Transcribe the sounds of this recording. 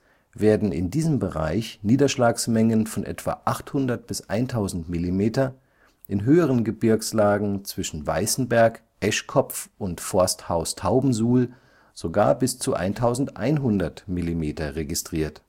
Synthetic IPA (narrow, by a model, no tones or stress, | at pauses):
veːɐdn̩ɪ̰ndiːzəmbəʁa̰ɪçniːdɐʃlaːksmɛŋənfɔnʔɛ̰tv̥a̰ʔaχthʊndɐt̚b̥ɪsʔa̰ɪntʰaʊzn̩tmilimeːtɐ | ʔɪnɦøːəʁənɡəbɪɐkslaːɡŋ̩t͡sv̥ɪʃn̩va̰ɪsn̩bɛɐk | ʔɛʃkʰɔpp͡fʔʊntfɔɐsthaʊstʰaʊbm̩zuːl | z̥oɡa̰ːɐbɪst͡suʔa̰ɪntʰaʊzn̩tʔa̰ɪnɦʊndɐtmilimeːtɐʁeɡɪstʁ̥iːɐt